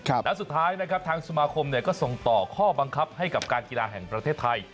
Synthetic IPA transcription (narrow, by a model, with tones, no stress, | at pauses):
lɛ˦˥su˨˩t̪ʰːaː˦˥jna˦˥kʰɾa˦˥p̚t̪ʰaː˧ŋsu˧maː˧kʰo˧mni˥˩ɐkɔː˥˩so˨˩ŋt̪ɔː˨˩kʰɔː˥˩ba˧ŋkʰa˦˥p̚ha˥˩jka˨˩p̚kaː˧nkiː˧laː˧ɦɛ˨˩ŋpɾa˧t̪ʰeː˥˩t̪ʰːa˧j